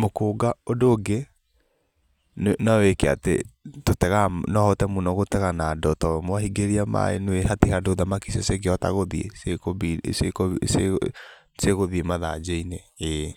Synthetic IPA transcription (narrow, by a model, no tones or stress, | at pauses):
mokoːɡaodoːɡe | nnawekea̰tetotɛɣanɔhɔtɛmunɔɣotɛɣanadɔtɔmwaɦiɡeɾiama̰ḛnwehatihadoðamakisɔseɡeɔta̰ɣoðiḛsekobisekse | seɣoðiemaða̰d͡ʒeinee